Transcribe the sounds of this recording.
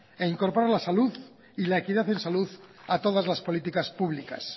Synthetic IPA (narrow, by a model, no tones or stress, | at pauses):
eiŋko̞ɾpoɾalasaluð | ilaekiðaθe̞nsaluðat̪o̞ð̞azlaspo̞lit̪ikaspuβ̞lika̰s